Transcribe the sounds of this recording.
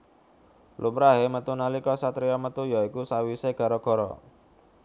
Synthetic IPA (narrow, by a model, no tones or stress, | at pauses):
lʔumɾaɦemət̪unalikɔsat̪ɾiɔmət̪ujɔikusawiseɡ̥a̤ɾɔɡ̥ɔ̤ɾɔ̰